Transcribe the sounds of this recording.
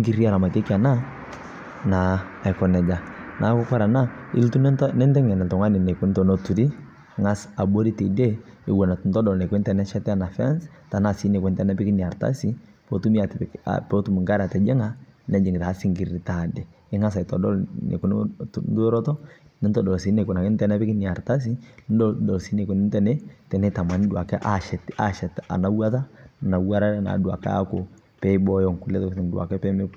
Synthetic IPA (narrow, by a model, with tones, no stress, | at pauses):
i˦ŋɡi˦ɾi˦a˨ɾa˨ma˨te˦ki˦a˨na˦ | naː˨ | kɔ˨nɛ˨d͡ʒa˨na˨˦kʊ˦ka˦ɾa˨na˦ɪ̰˦ltu˦n˦nɛ˦ntɛ˦ŋɛ˨n˨ltɔ˨ŋwa˦nɪ˨nɛ˨ku˦n˦tɔ˨no˦tu˨ɾi˦ | ŋa˦sa˨bo˦ɾi˦te˨de˦ɪ˨˦ɡɔ˨na˨tu˨˦ntɔ˦dɔ˨lnɛ˨kwɛ˦ntɛ˦˨nɛ˦ʃɛ˦tɛ˦a˦˨na˨fa˦ns | ta˨na˦˨si˦nɛ˨kwɛ˦ntɛ˦na˦pi˦kɪ˦ni˨a˨ɾta̰˦si˦ | po˦tu˦mi˦a˨ta̰pɔ˦tu˦mu˨ŋɡa˦ɾa˨tɛ˨d͡ʒɛ˦ŋa˦ | nɛ˨d͡ʒi˨ŋɡɪ˨ta˨˦si˦ŋɡi˨ɾɾi˨ta˨dɛ˨ | ɪ˦ŋa˦s̬a˨i˨tɔ˨dɔ˦lnḛ˨ku˨n˦ndo˦ɾɔ˦tɔ˦ni˦ntɔ˨dɔ˨lsi˨˦ne˨ku˨na˨kɛ˦n˦tɛ˦˨nɛ˦pɪ˦ki˦ni˨a˨ɾta˦s̬i˦nddɔ˨lsi˦ne˨ku˨nɪ˦ntɛ˨nɛ˦tɛ˨nɛ˦ta˨ma˨n˦dwa˨kɛ˦ʔa˨ʃɛ˨ta˨ʃɛ˨ta̰˨na˨˦wa˦ta˦˨na˨wa˦ɾa˦ɾɛ˦na̰˨dwa̰˨ka̰˦a˦ko˨ | pɛ˦i˦bɔ˦jɔ˨ŋku˨lɛ˦tɔ˦tɛ˨ndwa̰˨kɛ˦pɛ˦mɛ˦